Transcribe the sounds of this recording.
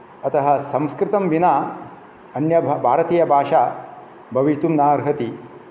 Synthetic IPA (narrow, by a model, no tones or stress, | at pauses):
ɐt̪ɐɦɐsɐ̃mskɾɪt̪ɐmʋina | ɐnjɐbʱaːɾɐt̪iːjɐbʱaːʂaː | bʱɐʋiʃt̪umnaːɾɦɐt̪i